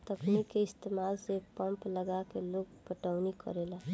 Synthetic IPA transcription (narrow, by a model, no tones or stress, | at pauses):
t̪əknikːeɪst̪eːmaːlsepəmpləɡakeloːɡpəʈəʊnikə̰ɾela